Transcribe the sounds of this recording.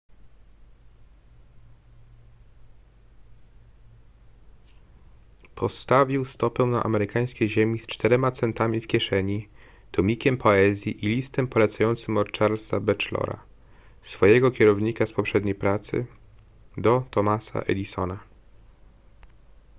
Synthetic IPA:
pʰɔst̪avʲiwst̪ɔpɛw̃naʔa̰mɛɾɘkaj̃skʲejʑemʲist͡ʂt̪ɛɾɛmat̪sɛnt̪amʲifkʲjɛʂɛɲi | t̪ɔmʲikʲɛmpʰɔɛzʲjiʔilʲist̪ɛmpɔlɛt̪sajɔnt̪sɘmɔɾt͡ʂaɾlsabɛt͡ʂlɔ̰ɾa̰ | sfɔjɛɡɔkʲɛɾɔvɲikaspɔpʂɛd̪ɲejpɾat̪sɘ̰ | d̪ɔt̪ɔmasa̰ʔɛ̰lʲisɔ̰na

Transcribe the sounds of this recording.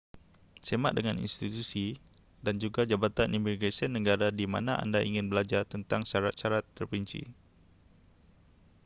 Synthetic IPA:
semat̪̚dəŋanḭnst̪it̪usi | dand͡ʒuɡad͡ʒabat̪anʔimbiɡesənːə̃ɡaɾadima̰naʔa̰ndaʔiŋɪnbəlad͡ʒart̪ənt̪aŋʃaɾat̪̚ʃaɾat̪ːərpiɲt͡ʃḭ

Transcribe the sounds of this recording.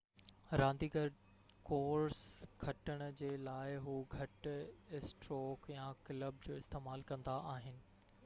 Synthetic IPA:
ɾãːnd̪iɡʱəɾɖ | koːɾskʰɐʈəɽ̃d͡ʑeːlaːɪɦuːɡʱɐʈɪsʈɾoːkjãkɪləb̚d͡ʑoːɪst̪eːmaːlkɐ̃nd̪aʔaːɦɪnɪ̆

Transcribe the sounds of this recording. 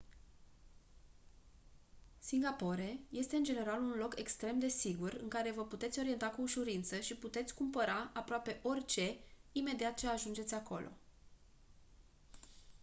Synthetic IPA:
siŋɡapo̞ɾe̞je̞st̪eɨnd͡ʒe̞ne̞ɾalunlo̞ke̞kst̪ɾe̞md̪e̞siɡurɨŋkaɾe̞vəput̪e̞t̪sʲo̞ɾie̞nt̪akuːʃuɾint̪səʃiput̪e̞t̪sʲkumpəɾaapɾoape̞ʔo̞rʲt͡ʃe̞ime̞d̪iat̪t͡ʃe̞aʒund͡ʒe̞t̪sʲako̞̰lʔo̞̰

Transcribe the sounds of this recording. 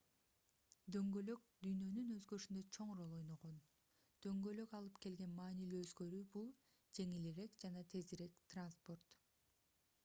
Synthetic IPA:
d̪ø̞ŋɡø̞lø̞k̚d̪yjnø̞nynø̞zɡøʃynd̪øt͡ʃʰo̞ɴɾo̞lˠo̞jno̞ʁo̞n | d̪̥ø̞ŋɡø̞lø̞kɑlˠɯpke̞lɡe̞nmɑːnilyːøzɡø̞ɾyːbulˠ | d͡ʒe̞ŋiliɾe̞kd͡ʒɑnɑt̪ʰe̞ziɾe̞kt̪ranspo̞rt̪

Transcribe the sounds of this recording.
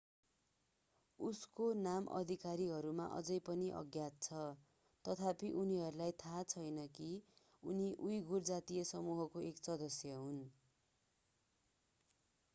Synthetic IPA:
uskonamʔʌ̰d̪ʱikaɾiɦʌɾuma̰ʔʌ̰d͡zʌjpʌniʔʌ̰ɡjat̪̚t͡sʰʌ | t̪ʌt̪ʰapiʔuniɦʌɾulajt̪ʰat͡sʰʌjnʌki | uniʔujɡʱurd͡zat̪ijʌsʌmuɦʌkoeksʌd̪ʌsjʌɦun

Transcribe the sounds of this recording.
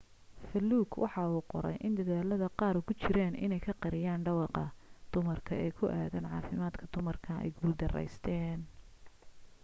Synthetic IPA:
fɐlːuːɡwʔɑ̰ħɑuːqɔ̰ɾɛ̰jʔɪnd̪ɐðaːlɐðɐqɑːɾʊkʰʊt͡ʃɪɾɛːnʔɪ̰nɛjkʰɐqɑɾɪjaːnɖɐwɑqɑd̪̥ʊmɐrkʰɐɛːkʰʊʔæːðɐnʕɑːfɪmaːd̪kʰɐd̪̥ʊmɐrkʰɐɛ̰jɡuːld̪ɐrɛ̰jst̪ʰɛːn

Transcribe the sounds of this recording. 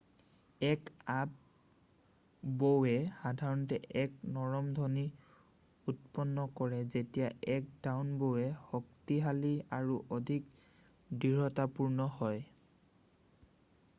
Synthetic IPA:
ɛkap̚ | bowɛxadʱaɹɔntɛʔɛk̚nɔɹɔmdʱɔni | utpɔnːɔkɔɹɛzetijaʔɛk̚dawnbowɛhɔktiɦaliaɹuʔɔdʱik | diɹɔtapuɹnɔhɔj

